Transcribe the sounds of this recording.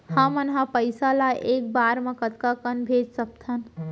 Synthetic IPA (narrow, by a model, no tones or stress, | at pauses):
hãmənɦãpəjsalaʔek̚baɾmẽkət̪kakənbʱed͡ʒsəp̚t̪ʰən